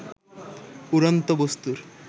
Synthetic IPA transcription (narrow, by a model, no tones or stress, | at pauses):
uɾant̪obost̪uɾ